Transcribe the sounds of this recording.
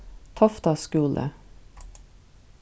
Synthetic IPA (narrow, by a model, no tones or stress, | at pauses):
t̪ʰɔft̪ɑːskʉːlʔə̰